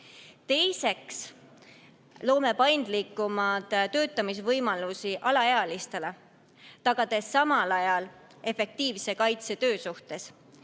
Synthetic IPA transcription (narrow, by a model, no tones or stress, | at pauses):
t̪e̞jse̞ks | lo̞ːme̞pɑjnd̪̥likːˑumɑd̪̥t̪øːt̪ːˑɑmisvɤjmɑlusiʔɑlɑeɑlist̪e̞le | t̪ɑɡ̥ɑd̪̥e̞sːɑmɑlɑjɑl | e̞fe̞k̚t̪iːvse̞kɑjt̪se̞t̪ø̞ːsuht̪e̞s